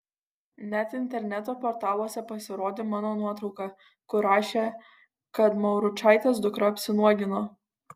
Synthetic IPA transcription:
nʲɛt̪ɪnʲt̪ʲɛɾʲnʲɛt̪oːpoːɾt̪ɑːlˠuɔsʲɛpɐsʲɪɾoːd̪ʲeːmɑːnoːnuɔt̪ɾɒʊkɑ | kʊɾɑːʃʲeː | kɐt̪mɐʊɾʊt͡ʃɑːˑɪt̪ʲeːsd̪ʊkɾɐɐpʲsʲɪnuɔɡʲɪnoː

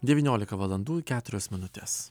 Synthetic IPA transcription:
d̪ʲɛʋʲiːnʲoːlʲɪkɐʋɐlˠɐnd̪uːkʲæːt̪ʊɾʲosmʲɪnʊt̪ʲḛs

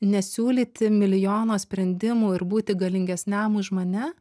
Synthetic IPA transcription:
nʲɛsʲuːlʲiːt̪ʲɪmʲɪlʲɪjoːnoːsʲpʲɾʲɛnʲd̪ʲɪmuːɪɾbuːt̪ʲɪɡɐlʲɪŋʲɡʲɛsʲnʲæmʊʒmonʲɛ

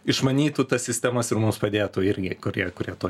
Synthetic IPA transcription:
ɪʃmɐnʲiːt̪uːt̪ɐssʲɪsʲt̪ʲæːmɐsɪɾmʊmspɐd̪ʲeːt̪uːɪɾʲɡʲɪkʊɾʲiɛkʊrʲiɛt̪oː

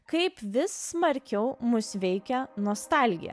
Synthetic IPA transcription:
kɐɪpʋʲɪsːmɐɾʲkʲɛʊmʊsʋʲɛɪkʲɛnoːst̪ɑˑlʲɡʲɪ̰jɛ̰

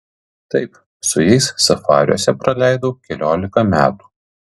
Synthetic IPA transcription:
t̪ɐɪp | sʊjɛɪsːɐfɑːɾ̰ʲuɔsʲɛpɾɐlʲæˑɪd̪oːkʲɛlʲoːlʲɪkɐmʲæ̰ːt̪u̥ː

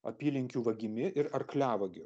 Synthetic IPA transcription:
ɐ̰pʲiːlʲɪŋʲkʲuːʋɐɡʲɪmʲɪʔɪɾɐɾklʲæːʋɐɡʲɪ

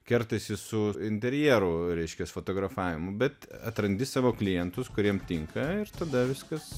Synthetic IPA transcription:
kʲɛɾt̪ɐɪsʲɪsʊɪnʲt̪ʲɛɾʲjiɛɛɾʊɾʲɛɪʃʲkʲɛsfoːt̪oːɡɾɐfɑːʋʲɪmʊbʲɛt̪ɐt̪ɾɐnʲd̪ʲɪsɑːʋoːklʲɪjɛnt̪ʊskʊɾʲiɛmt̪ʲɪŋkɐɪrt̪ɐd̪ɐʋʲɪskɐs

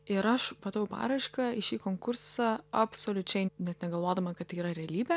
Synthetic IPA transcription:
ɪɾɐʃmɐt̪ɐʋjɛʊpɑ̰ːɾɐɪʃkɐɪʃʲiːkoːŋkʊɾsɐɐpsoːlʲʊt͡ʃʲɛɪnʲɛt̪nʲɛɡɐlˠʋoːd̪ɐmɐkɐt̪iːɾɐɾʲɛɐlʲiːbʲɛ

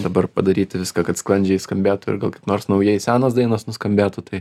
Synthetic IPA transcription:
d̪ɐbɐrpɐd̪ɐɾʲiːt̪ʲɪʋʲɪskɐːkɐt̪sklˠɐnʲd͡ʒʲɛɪskɐmʲbʲæːt̪ʊɪ̰ɾɡɐlˠkɐɪpnoːrsnɐʊjɛɪsʲæːnɐːs̬d̪ɐɪnɐsnʊskɐmʲbʲæːt̪ʊt̪ɐɪ

